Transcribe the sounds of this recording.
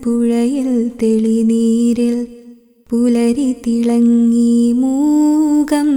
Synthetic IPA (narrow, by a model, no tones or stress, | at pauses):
puɻɐjilt̪eɭiniːɾil | pulɐɾit̪iɻɐŋːimuːɡɐm